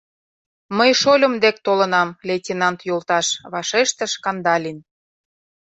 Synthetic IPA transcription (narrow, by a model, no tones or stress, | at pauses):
məjʃolʲə̆md̪ek̚t̪olə̆nɑmlʲetʲinɑnt̪jolˠt̪ɑʃβɑʃeʃt̪ə̆ʃkɑnd̪ɑlʲin